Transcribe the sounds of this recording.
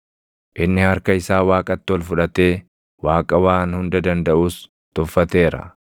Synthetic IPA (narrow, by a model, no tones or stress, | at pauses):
ʔɪnːɪhɐɾkɐɪsaːwaːkʼɐt̪ːɪɔlfʊᶑɐt̪e̞ː | waːkʼɐwaːnhʊnd̪ɐd̪ɐnd̪ɐʔuːs | t̪ʊfːɐt̪e̞ːɾɐ̰